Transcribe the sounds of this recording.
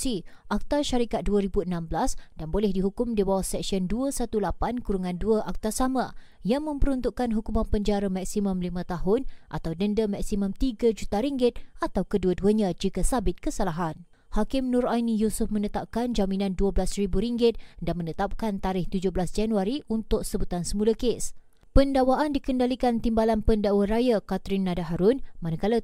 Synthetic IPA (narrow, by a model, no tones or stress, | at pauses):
si | ʔak̚t̪arʃaɾikat̪̚duəɾibuənãmbəlasdanbolɛhdiɦukʊmdibawasɛk̚siɔnduəsat̪ulapankuɾuŋãnduəʔak̚t̪asamã | jaŋmə̃mpəɾunt̪uʔkanɦukumanpəɲd͡ʒaɾəmak̚simʊ̃mlimãt̪aɦʊnʔa̰t̪awdəndəmaksimãmt̪iɡad͡ʒut̪aɾiŋɡɪt̪̚ʔat̪awkəduəduəɲãd͡ʒikasabɪt̪̚kəsalaɦan | hakɪmnʊ̃ɾajnijusʊfmə̃nət̪ap̚kand͡ʒamĩnãnduablasribuɾiŋɡɪt̪̚danmənət̪ap̚kant̪aɾɪht̪ud͡ʒʊblasd͡ʒanuaɾiʔunt̪ʊk̚səbut̪ansəmulakes | pəndawaʔandikəndalikant̪imbalanpəndawaɾajakat̪ɾɪnːadaɦaɾʊnmanakala